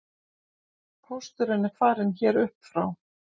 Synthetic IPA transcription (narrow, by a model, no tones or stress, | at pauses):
pʰɔst̪ʏɾɪnːɪfaːɾɪnçɛːɾʏhpfɾaw